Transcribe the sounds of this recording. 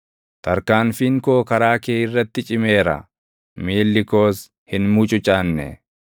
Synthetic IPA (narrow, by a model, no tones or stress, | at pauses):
t̪ɐɾkaːnfiːŋkoːkɐɾaːkeːɪrːɐt̪ːɪt͡ʃʼɪme̞ːɾɐ̰ | miːlːɪko̞ːs | hɪnmuːt͡ʃʼʊt͡ʃʼaːnːɛ̰